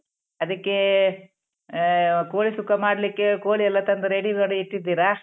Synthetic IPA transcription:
ɐd̪ɐkːe | koːɭisukːɐmaːɽɐlikːekoːɭiɛlːɐt̪ɐnd̪ɐɾeɽiɡɐɽuiʈːid̪ːiːɾɐ

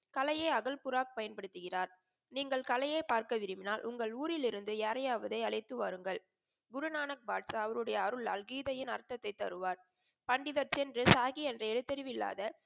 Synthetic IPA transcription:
kɐlɐjeːɐɣɐlpʊɾaːk̚pɐjɐnpɐɽɯt̪ːɯɣɪraːɾ | niːŋɡɐɭkɐlɐjɐɪpaːɾkɐʋɪɾɯmɪnaːlʔʊŋɡɐɭuːɾɪlɪɾɯnd̪ɯɛːɾɐjaːʋɐðɐɪɐɭɐɪt̪ːɯʋɐɾɯŋɡɐɭ | ɡʊɾʊnaːnɐk̚baːʈsɐɐʋɐɾɯɽɐjɐːɾɯɭɐ̰lɡiːðɐjɪnɐ̰ɾt̪ːɐt̪ːɐɪt̪ːɐ̰ɾɯʋaːɾ | pɐɳɖɪðɐɾt͡ʃɛndrɯsaːɣiɛndrɐɛɻɯt̪ːɛɾɪʋɪlːa̰ːðɐ

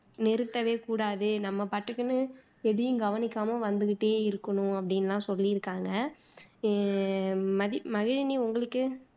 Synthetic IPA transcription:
nɪɾɯt̪ːɐʋeːkuːɽaːðɯnɐmːɐpaʈːɯkːɯnɯ | ɛðɪjɯ̃ŋɡɐʋɐnɪkːaːmɐʋɐnd̪ɯɣɪʈːeːɪɾɯkːɐɳʊ̃ɐpːɐɽɪnɐlːãːsɔlːiɪɾɯkːaːŋɡɐ | mɐðɪmɐɣɪɻniʊŋɡɐɭɯkːɯ

